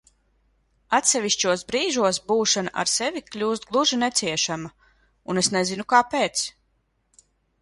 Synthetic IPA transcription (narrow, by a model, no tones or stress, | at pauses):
at̪sɛviʃt͡ʃuɔsbɾiːʒuɔs̬buːʃanaʔa̰ɾsɛviklʲuːst̪̚ɡlˠuʒinɛt̪siɛʃama | unesnɛzinukaːpeːt̪s